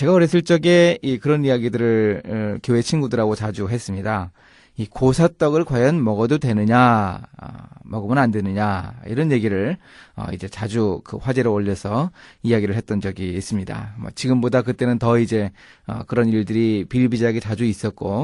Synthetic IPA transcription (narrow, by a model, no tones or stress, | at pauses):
t͡ɕe̞ɡaoɾes͈ʰɯɭt͡ɕ͈ʌɡe̞ikɯɾʌnijaɡidɯɾɯɭkjoe̞t͡ɕʰinɡudɯɾaɡot͡ɕad͡ʑuɦes͈ɯmɲida | ikosʰat͈ʌɡɯɭkwajʌnmʌɡʌdodwe̞nɯɲa̰ | mʌɡɯmɯnandwe̞nɯɲaḭɾʌnje̞ɡiɾɯɭ | ʌ̰ḭd͡ʑe̞t͡ɕad͡ʑukɯɸwad͡ʑe̞ɾooʎːʌsʰʌijaɡiɾɯɭɦhe̞t̚t͈ʌnd͡ʑʌɡiːs͈ɯmɲida̰mʌ̰t͡ɕiɡɯmbodakɯt͈e̞nɯntʌid͡ʑe̞ʌ̰kɯɾʌniɭdɯɾipiɭbid͡ʑaaɡet͡ɕad͡ʑuis͈ʌt̚k͈o